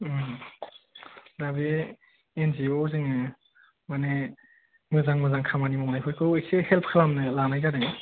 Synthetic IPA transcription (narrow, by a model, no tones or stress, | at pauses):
dabi | enziozɯŋɯ | mane | mɯzaŋmɯzaŋkʰamanimɔŋnajpʰɔjkʰɯwesehelpʰkʰɯlamnɯlanajkadɯŋɯ